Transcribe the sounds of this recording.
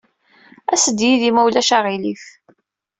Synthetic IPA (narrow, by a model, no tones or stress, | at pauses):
æsəd̪jiðimæwlæʃaʁilif